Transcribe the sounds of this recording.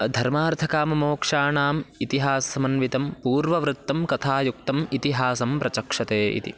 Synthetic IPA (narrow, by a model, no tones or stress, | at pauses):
d̪ʱɐɾmaːɾt̪ʰɐkaːmɐmoːkʂaːɳaːmit̪iɦaːsɐsɐmɐnʋit̪ɐmpuːɾʋɐʋɾɨt̪ːɐmkɐt̪ʰaːjuk̚t̪ɐmit̪iɦaːsɐmpɾɐt͡ʃɐkʂɐt̪eːḭt̪ḭ